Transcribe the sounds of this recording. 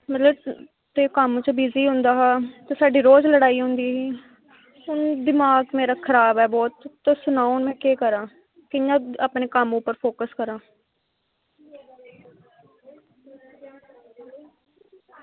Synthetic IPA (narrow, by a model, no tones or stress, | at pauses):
mət̪ləb | t̪eːkəmːt͡ʃəbiːziːɦʊ̃nd̪aːɦaːt̪eːsaːɖiːɾoːzləɽaːiːɦʊ̃nd̪iːɦiː | ʊnd̪ɪmaːɡmeːɾaːkʰəɾaːbɛːbɔːt̪ːsʊnaːonmɛ̃ːkeːkəɾãː | kɪjãːəpneːkəmʊpːəɾpʰoːkəskəɾãː